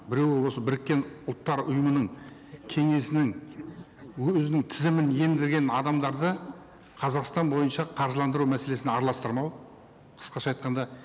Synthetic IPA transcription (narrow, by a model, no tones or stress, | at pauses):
bɪɾe̞wɪwo̞səbɪɾɪkʲːe̞nʊlˠt̪ːɑɾʊjəmənəɴkʲʰe̞ŋe̞sɪnɪŋ | ɵɵzɪnɪŋt̪ʰɪzɪmɪne̞nd̪ɪɾɡʲe̞nɑd̪ɑmd̪ɑɾd̪ə | qʰɑzɑqst̪ɑnbo̞jənʃɑqʰɑɾʒəlˠɑnd̪əɾumæse̞le̞sɪnɑɾlˠɑst̪əɾmɑw | qʰə̥sqɑʃɑjt̪̚qɑnd̪ɑ